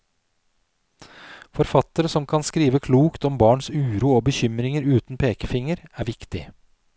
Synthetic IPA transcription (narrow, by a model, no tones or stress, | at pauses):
fɔɾfɑt̪əɾəsɔmkʰɑnskɾiːʋəkʰluːkt̪ɔmbɑːɳsʉːɾuːoːbəçʏmɾɪŋəɾʉːt̪n̩pʰeːkəfɪŋəɾæːʋɪkt̪ɪ